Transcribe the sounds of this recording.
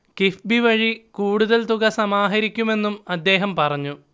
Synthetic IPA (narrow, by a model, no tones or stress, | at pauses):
kifbiʋɐɻikuːɽuðɐlt̪uɣɐsɐmaːɦɐɾikʲːume̞nːumɐd̪ːe̞ːɦɐmpɐrɐɲːu